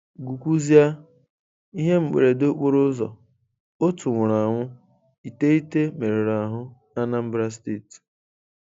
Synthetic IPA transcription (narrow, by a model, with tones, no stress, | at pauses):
ɡu˨kʷu˦zi˦a˦ | i˦ɦe˦ŋ͡m̩˨k͡pḛ˨ɾe˨do˦k͡po˦ɾʊ˦zɔ̰˨ | o˦tu˨ŋʷʊ˨ɾa˨ŋʷʊ˦ | i˨te˦i˦te˦me˨ɾe˨ɾa˨ɦʊ˦na˦na˦m̩˦bɾa˦s̬te˦˨t